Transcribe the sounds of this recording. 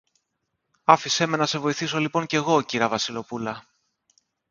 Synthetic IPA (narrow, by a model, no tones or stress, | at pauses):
ɐfise̞me̞nɐse̞vo̞iθis̬o̞lipo̞ɲce̞ɣo̞ciɾɐvɐsilo̞pulɐ